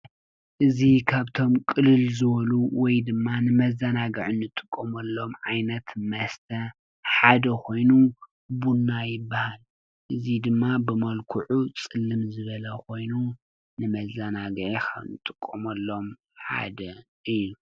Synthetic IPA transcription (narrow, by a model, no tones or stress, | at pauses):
ʔɨzikʰaβt̪ʰo̞mkʼɨlɨlzɨβɐluwɔjd̪ɨmːanɨmɐzanaɡɨʕunːɨt̪ʼɨ̥kʼːɐmɐlːo̞mʕajnɐt̪mɐst̪ʰɐ | ħad̪ɐkʰo̞jnu | bunːajɪbːahal | ʔɨzid̪ɨmːabɨmɐlkʰuʕut͡sʼɨlːɨmzɨβɐlɐko̞jnu | nɨmɐzanaɡʕixʰɐ̰nɨt̪ʼɨkʼːɐmɐlːo̞m | ħa̰d̪ɐ | ʔɨjːu